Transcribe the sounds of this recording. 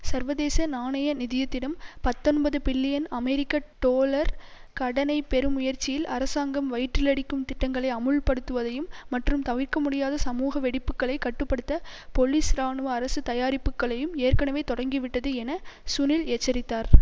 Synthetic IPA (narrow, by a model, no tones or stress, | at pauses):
sɐɾʋɐðeːsɐnaːɳɐjɐnɪðɪjɐt̪ːɪɽɐmpɐt̪ːɔnbɐðɯpɪlːɪjɐnɐmɛɾɪkːɐʈoːlɐɾkɐɽɐnɐɪpɛɾɯmʊjɐɾt͡ʃɪjɪlʔɐɾɐsaːŋɡɐmʋɐɪʈrɪlɐɽɪkːɯmt̪ɪʈːɐŋɡɐɭɐɪɐmɯlpɐɽɯt̪ːɯʋɐðɐjɯmːɐʈrɯmt̪ɐʋɪɾkɐmʊɽɪjaːðɐsɐmuːɣɐʋɛɽɪpːɯkːɐɭɐɪkːɐʈːɯpːɐɽɯt̪ːɐpɔliːsɾaːɳɯʋɐɐɾɐsɯt̪ɐjaːɾɪpːɯkːɐɭɐjɯmeːɾkɐɳɐʋeːt̪ɔɽɐŋɡiʋɪʈːɐðɯɛnɐsʊnɪlɛt͡ʃːɐɾɪt̪ːaːɾ